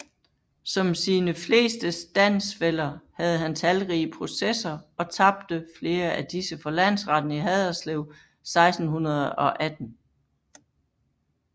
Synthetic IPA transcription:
sɒ̽msiːnəfle̝̰ːsd̥əsd̥æn̰sfel̰ɐhæð̞̩ˠɦænt͡sʰælʁiːəpʰʁo̝sesɐɒ̽t͡sʰɑ̈b̥̚d̥əfle̝ːɐæd̥isəfɒ̽læn̰sʁɑ̈d̥n̩iɦɛðˠɐsleʊ̰ | sɑ̈ɪsd̥n̩hunɐð̞̩ˠɒ̽ʔæd̥n̩

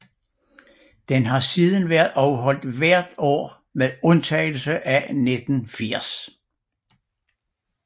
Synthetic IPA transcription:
d̥enɦɑ̈siːð̞ˠənʋæɐðˠʔɒʊəɦɒ̽l̰d̥ʋæɐ̰d̥ɒ̰ː | meðˠɔ̽nt͡sʰɛ̰ːɪl̩səʔæned̥n̩fiɐ̰s

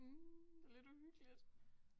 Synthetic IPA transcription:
d̥e̝le̝d̥uhyɡ̥əlid̥

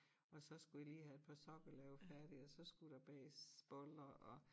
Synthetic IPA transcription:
ʔɒ̽sɒ̽sɡ̥ujɑliːhæe̝d̥̚pʰɑ̈sɒ̽ɡ̥ɐlɛːʊfæɐɾ̥iɒsɒ̽sɡ̥ud̥ɑb̥ɛ̰ːsb̥ɔlɐʔɒ

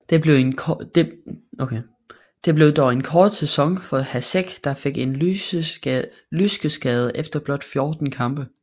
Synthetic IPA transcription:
d̥e̝b̥le̝ʊenʰd̥eokʰe | d̥e̝b̥le̝ʊd̥ɒe̝nkʰɒːd̥sesɒ̽ŋfɒ̽hæseɡ̥d̥ɑ̈fe̝ɡ̥e̝n | lysɡ̥əsɡ̥ɛːð̞ˠəʔefd̥ɐb̥lɒ̽d̥fjo̝ːd̥n̩kʰɑ̈mb̥ə

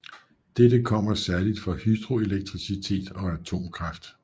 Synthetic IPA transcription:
d̥ed̥əkʰɒ̽m̰ɐsæɐlid̥fɒ̽hyd̥ʁo̝e̝leɡ̥̚t͡sʰʁisit͡sʰe̝̰ːd̥ɒ̽æt͡sʰo̝̰ːmkʰʁɑ̈fd̥

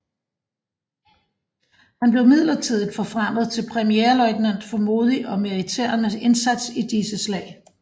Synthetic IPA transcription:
hænb̥le̝ʊmið̰ˠlɐt͡sʰiðˠid̥fɒ̽fʁɑm̰ð̩ˠt͡sʰe̝lpʰʁɛmieːɐlɒ̽ɪɡ̥næn̰d̥fɒ̽mo̝ːð̞ˠiʔɒ̽miit͡sʰḛɐ̰nəe̝nsæd̥sid̥isəslɛ̰ːɪ

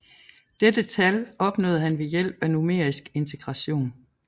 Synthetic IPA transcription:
d̥ed̥ət͡sʰælɒ̽b̥nɔ̰ːð̩ˠhænʋe̝jel̰b̥ænume̝̰ɐ̰isɡ̥e̝nt͡sʰe̝ɡ̥ʁɑ̈ɕo̝̰ːn

